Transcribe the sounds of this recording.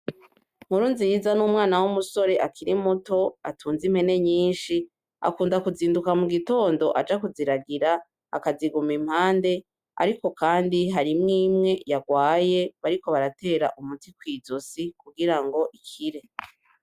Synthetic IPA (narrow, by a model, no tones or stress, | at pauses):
muɾuːnzijizanuːmŋaːnawumuso̞ɾe̞ʔakʰiɾimuto̞atʰuːnzim̥he̞ne̞ɲiːnʃi | a̰kuːndakuziːndukamuɡito̞ːndo̞ʔad͡ʒakuziɾaɡiɾa | a̰kaziɡumim̥haːnde̞ | a̰ɾiko̞kaːndiɦaɾimŋiːmŋe̞jaɡwaːje̞βaɾiko̞βaɾate̞ːɾaʔumutikwiːzosikuɡiɾaŋɡo̞ʔikʰiɾe̞